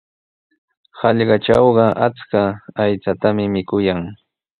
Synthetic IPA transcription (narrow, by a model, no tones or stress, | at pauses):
hɑʎɢɑʈ͡ʂɑwɢɑʔat͡skaːjt͡sat̪amɪmɪkʊjaŋ